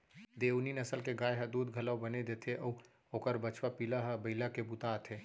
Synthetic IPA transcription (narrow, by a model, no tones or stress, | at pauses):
d̪ewninəsəlkeɡajɦəd̪uːd̪ɡʱələwbəned̪et̪ʰeʔɔu | okəɾbət͡ʃwapilaɦbəɪlakebut̪at̪ʰe